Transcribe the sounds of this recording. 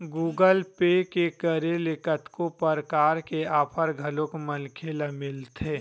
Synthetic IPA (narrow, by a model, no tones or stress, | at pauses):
ɡuːɡəlpeːkekəɾelekət̪kõpəɾkaːɾkeaːpʰəɾɡʱəlõkməlkʰeːlamɪlt̪ʰeː